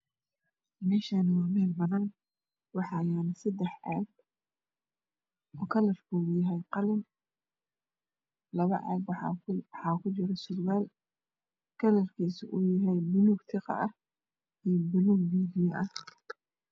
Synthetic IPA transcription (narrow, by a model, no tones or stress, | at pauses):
mɛːʃaːnɐwɑːmɛːlbɐnaːn | wɑħɑjaːnɐsɐd̪ɛħʕɑ̰ːɡ | ɔːkʰɐlɐrkʰʊʊjɐɦɛjqɑlɪn | lɐβɐʕɑ̰ːɡwɑħɑːkʰʊt͡ʃɪɾɐsʊdwaːl | kʰɐlɐrkʰiːsʊʔʊjɐɦɛjmʊluːɡθɪqɑ̰ʔɐh | iːbʊluːɡmiːdɪjɐʔɐh